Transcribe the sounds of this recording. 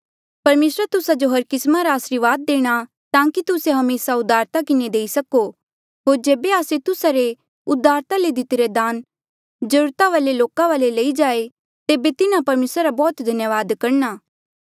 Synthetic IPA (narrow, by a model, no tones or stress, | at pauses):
pɐɾmeːsɾat̪ʊsad͡ʒoɦɐɾkɪsmaɾaːsɾiɾʋaːd̪̚ːeːɽ̃a | t̪ãːkit̪ʊseɦɐmeːsaʊd̪aːɾt̪akɪned̪eːisɐko | ɦoːɾd͡ʒeːbeaːset̪ʊsaɾe | ʊd̪ʱːaːɾt̪aled̪ɪt̪eɾed̪aːn | d͡ʒɐɾuːɾt̪aʋaːleloːkãʋaːlelɐid͡ʒaːe | t̪eːbet̪ɪnãpɐɾmeːsɾaɾabɔːt̪d̪ʱɐnjəʋaːd̪kɐɾnaː